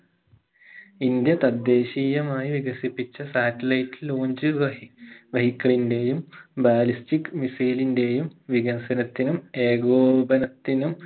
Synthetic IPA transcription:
ind̪jɐt̪ɐd̪ːe̞ːɕiːjɐmaːjiʋiɣɐsipːit͡ɕːɐsaːtːɐlɐjtːilːoːɲd͡ʑɨ | ʋɐɦikːɐɭinde̞jumbaːlistikːɨmisiːlinde̞jumʋiɣɐnsɐnɐt̪ːinume̞ːɡoːbɐnɐt̪ːinum

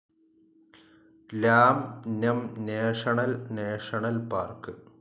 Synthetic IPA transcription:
laːmnʲɐmneːʂɐɳɐlneːʂɐɳɐlpaːrkɨ

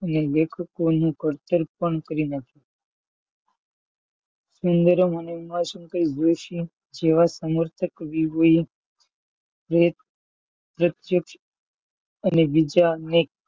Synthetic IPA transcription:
ənelekʰəkonũɡʱəɾt̪əɾpəɳkəɾinakʰi | sund̪əɾomanoʋimasənkəɾid͡ʒ̪oʃi | d͡ʒeʋasəməɾt̪ʰəkʋiʋoi | pɾəət̪ | pɾət̪jəkʃ | ənebid͡ʒanek̚

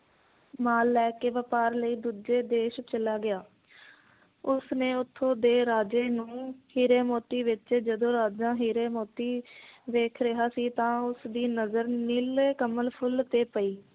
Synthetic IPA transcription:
maːlːɛːkeːʋəpaːɾləiːd̪uːd͡ʒeːd̪eːʃt͡ʃəlaːɡɪaː | ʊsnẽːʊt̪ʰːõːd̪eːɾaːd͡ʒeːnũːhiːɾeːmoːt̪iːʋɪt͡ʃd͡ʒəd̪õːɾaːd͡ʒãːɦiːɾeːmoːt̪iːʋeːkʰɾɪɦaːsiːt̪ãːʊsd̪iːnəzəɾnileːkəməlpʰʊlt̪eːpəiː

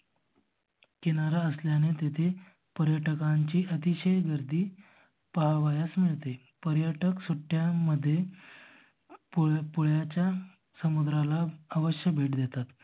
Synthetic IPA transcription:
kenaɾaəsljanet̪et̪ʰe | pəɾjəʈəkaɲt͡ɕiːʔət̪iɕəjɡəɾd̪ʱiː | paɦaʋajasmiɭt̪e | pəɾjaʈəksuʈːjaməd̪ʱːje | ppuɭjat͡ɕja | səmud̪ɾalaːʋəɕjəbʱeʈd̪et̪at̪

